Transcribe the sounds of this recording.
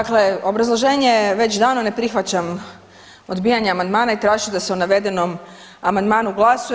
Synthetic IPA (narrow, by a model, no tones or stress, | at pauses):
akle̞o̞bɾazlˠoʒe̞ːɲeʋe̞t͡ɕd̪aːnone̞pɾixʋat͡ɕam | o̞d̪biːjaɲeamand̪maːnait̪ɾaːʒid̪aseonaʋe̞d̪e̞nom | amand̪maːnuɡlˠasu